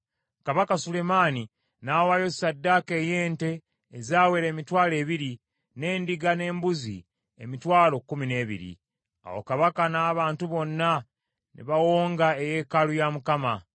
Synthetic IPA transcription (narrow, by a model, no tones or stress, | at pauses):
kaβakasule̞maːni | nawajo̞sadːaːkeːje̞ːnte̞ː | zaːweɾe̞ːmitwaːle̞ːβiɾi | ne̞ːndiɡane̞ːmbuzḭ | ḛmitwaːlo̞kːumine̞ːβḭɾḭ | a̰wo̞̰kaβakanaːβaːntuβo̞nːa | nḭβawo̞ːŋɡaeje̞ːkalujamukama